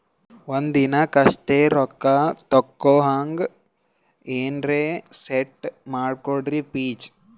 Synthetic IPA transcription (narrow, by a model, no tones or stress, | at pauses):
ʋond̪inɐkɐʂt̪eːɾɔkːat̪ɔkːoːɦaːŋɡ | eːnɾeːseʈmaːɖkoɽɾipiːt͡ʃ